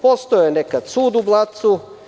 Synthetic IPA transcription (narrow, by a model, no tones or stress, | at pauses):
post̪ojenekad̪̥suːd̪ublˠat̪su